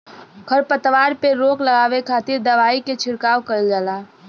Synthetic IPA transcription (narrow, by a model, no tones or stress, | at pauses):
ɡʰəɾpət̪ʋaːɾpeɾoːkləɡaːʋekʰaːt̪ɪɾd̪ɐʋaːiket͡ʃʰɪɽkaːʋkəɾld͡ʒaːlaː